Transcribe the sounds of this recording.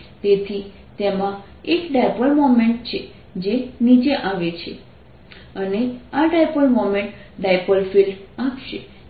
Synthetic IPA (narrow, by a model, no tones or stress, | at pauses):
t̪et̪ʰi | t̪emã | ekɖajpəlmomeɳʈt͡ʃʰe | d͡ʒenid͡ʒeʔaʋet͡ʃʰḛ | əneaɖajpəlmomẽɳʈɖajpəlfilɖapʃḛ